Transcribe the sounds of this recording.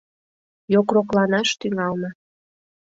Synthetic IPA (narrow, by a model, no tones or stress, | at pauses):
jokroklɑnɑʃt̪yŋɑlmɤ